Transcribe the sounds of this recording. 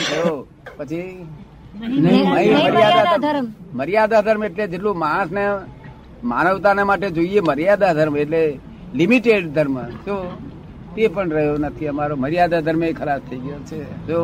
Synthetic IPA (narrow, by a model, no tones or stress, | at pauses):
o | pət͡ʃʰi | nəĩməɾjad̪aməɾjad̪ad̪ʱəɾmeʈled͡ʒeʈlũmãsne | manəʋt̪anemaʈed͡ʒoieməɾjad̪ad̪ʱəɾmeʈle | limiʈeɖd̪ʱəɾmso | t̪epəɳɾəɦjonət̪ʰiəmaɾoməɾjad̪ad̪ʱəɾmekʰəlast̪ʰəiɡəjot͡ʃʰed͡ʒo